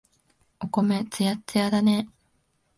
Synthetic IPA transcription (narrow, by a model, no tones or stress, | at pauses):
oko̞met͡sɨjat͡sɨjad̪ane